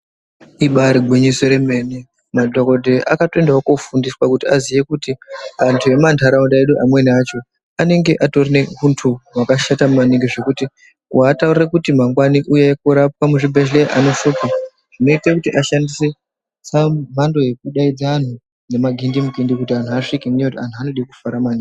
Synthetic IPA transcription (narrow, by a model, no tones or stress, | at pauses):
iɓaɾiɡʱwiɲisoɾeme̞ne | madʱoko̞dʱeʔakatoe̞ndaokofundiswakutiazije̞kutiantʰue̞mantʰaɾaundaeɗuʔamwe̞nat͡ʃo̞ | ane̞ŋɡe̞ʔato̞rine̞kuntʰuwakaʃatamumaniŋɡiʐe̞kuti | w̰ataurirekutim̤aŋɡwaniʔujekuɾap̚amuʐibʱeʃleʔano̞fuka | ʐ̥ino̞itekutiʔaʃandise̞ | sam̤ando̞je̞k̚uɗaid͡zaːn̤u | ne̞maɡʱindimuɡʱindikutian̤uaʂikimuɲekutian̤tʰuano̞ɗikufaɾamani